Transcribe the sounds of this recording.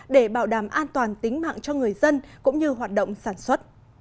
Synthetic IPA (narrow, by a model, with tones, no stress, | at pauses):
ɗe˧˩ɓaː˧˩wɗaː˧˩mʔaː˧nt̪waː˨˩nt̪ï˨˦ŋ̟ma̰ː˧˨ŋt͡ɕɔ˧ŋɨ˨˩əjzə˧nkʊ̰˧˥ŋ͡mɲɨ˧ɦwaː˨˩t̚ɗo̰˧˨wŋ͡msaː˧˩nswə˦˥t̚